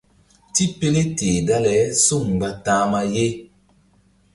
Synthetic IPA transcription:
ti˦pe˦le˦te˨da˦lɛ˨˦su˦˨ŋ˨ba˦tãː˦ma˦je˦

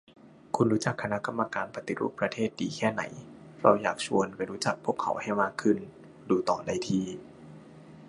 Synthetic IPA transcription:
kʰu˧nɾuː˦˥t͡ɕa˨˩kʰːa˧na˦˥ka˧mːa˧kaː˧npa˧t̪i˧˦ɾṵː˥˩pːɾa˧t̪ʰeː˥˩t̪̚diː˨˩kʰɛː˥˩na̰˩˦jɾa˧wjaː˨˩k̚t͡ɕʰṵ˧ənpa˧jɾuː˦˥t͡ɕa˨˩k̚pʰu˥˩əkʰːa̰˩˦wha˥˩jmaː˥˩kʰɯ˥˩n | duː˧t̪ɔː˨˩da˧˩jt̪ʰiː˧˩

